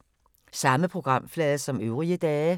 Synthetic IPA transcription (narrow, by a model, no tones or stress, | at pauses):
sɑ̈məpʰʁoɡ̥ʁɑm̰flɛːðəsɒ̽møʊʁiəd̪ɛːə